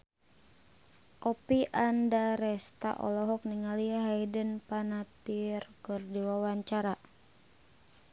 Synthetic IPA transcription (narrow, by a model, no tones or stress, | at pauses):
ʔɔpiʔandaɾɛst̪a̰ʔɔ̰lɔɦɔk̚niŋaliaɦajdənpanat̪irkɨrdiwawaɲt͡ʃaɾa